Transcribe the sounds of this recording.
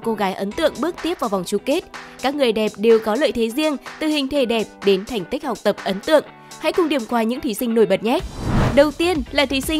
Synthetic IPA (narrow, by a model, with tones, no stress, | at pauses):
ko˧ɣaː˨˦jʔə˨˦nt̪ɨ̰˧˨əŋɓɨ˦˥ək̚t̪i˦˥əp̚vaː˨˩va˨˩wŋ͡mt͡ɕu˨˩ke˦˥t̚kaː˦˥k̚ŋɨ˨˩əjɗɛ˨˩p̚ɗe˨˩wkɔ˨˦lə̰ː˧˨jt̪ʰe˨˦zi˧ənt̪ɨ˨˩hï˨˩ŋ̟t̪ʰe˧˩ɗɛ˨˩p̚ɗe˨˦nt̪ʰɛ˨˩jŋ̟t̪i˦˥k̟̚ha˨˩wk͡p̚t̪ə˨˩p̚ʔə˨˦nt̪ɨ̰˧˨əŋ | ha̰˧˥jkʊ˧ŋ͡mɗi˨˩əmkwaː˧˩ɲɨ̰˧˥ŋt̪ʰi˨˦sï˧ŋ̟no˧˩jɓə˨˩t̚ɲɛ˦˥t̚ɗə˨˩wt̪i˧ənlaː˨˩t̪ʰi˨˦si˧